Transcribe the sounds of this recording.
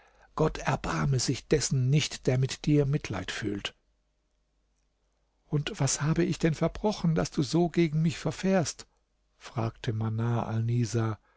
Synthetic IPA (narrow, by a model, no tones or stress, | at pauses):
ɡ̥ɔtʰɛɐbaɐməzɪçd̥ɛsn̩nɪçtd̥eːɐmɪtd̥iːɐmɪtʰla̰ɪtfy̰ːlt | ʔʊntv̥ashaːbəɪçd̥ɛnfɛɐbʁɔχn̩d̥asd̥uːzoːɡeːɡŋ̩mɪçfɛɐfɛːɐst | fʁ̥aːktʰəmanaːʔa̰lniːza